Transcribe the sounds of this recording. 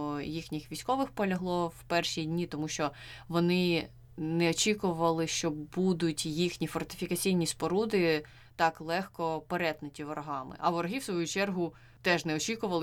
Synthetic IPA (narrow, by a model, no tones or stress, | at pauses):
jixnʲixʋʲijsʲkɔʋɪxpɔlʲɐɦlˠɔwpɛrʃidʲnʲit̪ɔmuʃt͡ʃɔʋɔnɪ | nɛɔt͡ʃʲikʊʋɐlˠɪʃt͡ʃɔbud̪ʊtʲjixnʲifɔrt̪ɪ̥fʲikɐt͡sʲijnʲispɔɾud̪ɪ | t̪ɑklˠɛxkɔpeɾɛt̪nɐtʲiʋɔɾɐɦɑmɪ̰ʔɐʋɔɾɐɦiwsʋɔjut͡ʃɛrɦʊ | t̪ɛʒnɛɔt͡ʃʲikʊʋɐlˠ